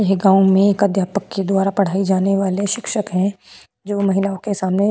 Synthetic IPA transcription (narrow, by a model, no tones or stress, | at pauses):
jɐɦɡãːʊ̃mẽkəd̪ʱjaːpəkːed̪waːɾapɐɽ̤aːid͡ʒaːneʋaːleʃɪkʃəkɦɛ̃ | d͡ʒoːmɐɦɪlaːõkesaːmne